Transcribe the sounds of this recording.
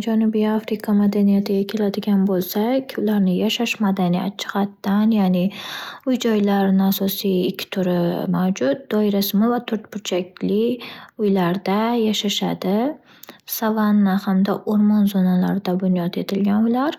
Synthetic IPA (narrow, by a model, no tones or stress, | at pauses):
d͡ʒanʊbijafɾɪkʰamad̪anijat̪ʰɪɡʲakʲʰe̞lad̪ɪɡʲanbolˠsakʲʰʊlaɾnɪjaʃaʃmad̪anija̰t̪t͡ʃʰɪ̥qat̪ːanjaːnɪʊjd͡ʒɒjlaɾɪnɪasɒsijɪkʲʰːɪ̥t̪ʰʊɾɪmawd͡ʒʊt̪̚d̪̥ɒɪɾasɪmɪvat̪ʰʊɾt̪pʊɾt͡ʃʰakʲlɪʊjlaɾd̪ajaʃaʃad̪ɪ | savanːahamd̪aʔoɾmɒnzonala̰ɾɪd̪abʊnjɒt̪e̞t̪ʰɪlɡʲanʊjlaɾ